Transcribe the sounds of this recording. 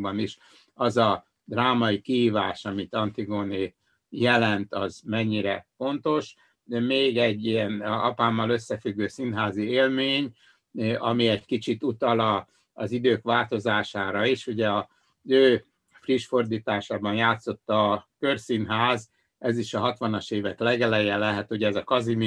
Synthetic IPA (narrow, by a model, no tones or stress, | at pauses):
bɒniʃ | ɒzɒ | d̪raːmɒikiɦiːvaːʃɒmit̪ɒnt̪iɡoːneː | jɛlɛnt̪ɒzmɛɲːiɾɛfo̞nt̪o̞ʃ | meːɡɛɟːiɛnɒ̰paːmːɒlø̞sːɛfyɡːøːsinɦaːzieːlmeːɲ | ɒmiɛɟkit͡ʃit̪ut̪ɒlɒː | zid̪øːkʋaːlt̪o̞zaːʃaːɾɒiʃuɟɛɒ | zøː | friʃfo̞rd̪iːt̪aːʃaːbɒnjaːt̪so̞t̪ːɒːkørsinɦaːz | ɛziʃɒɦɒt̪ʋɒnɒʃeːvɛklɛɡɛlɛjɛlɛɦɛt̪huɟɛɛzɒkɒzim